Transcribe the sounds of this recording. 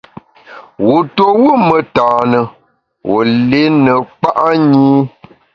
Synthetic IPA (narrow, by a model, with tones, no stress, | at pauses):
wu˨to˨wu˦mə˨taː˨nə˨ | wo̰˨le˨˦nə˨k͡pa˦ʔa˦ɲiː˦